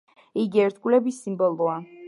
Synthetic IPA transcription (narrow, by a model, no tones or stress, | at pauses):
iɡiɛɾt̪ʰkʼvlɛbisːimbɔlˠɔa